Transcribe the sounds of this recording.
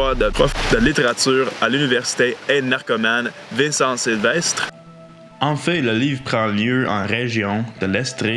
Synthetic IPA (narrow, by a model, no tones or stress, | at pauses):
ad̪əpχɔd̪əlit̪eʁatt͡syːʁalynivɛʁsi̥t̪eɛd̪naʁkɔman | vɛ̃sɑ̃silvɛst̪χ | ɑ̃fɛ̃ləliːvʁpχɑ̃ljøʔɑ̰̃ʁeʒjɔ̃d̪̥əlɛst̪ʁi